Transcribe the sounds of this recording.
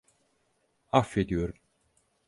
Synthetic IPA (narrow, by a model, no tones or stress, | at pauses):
afːed̪ijo̞ɾum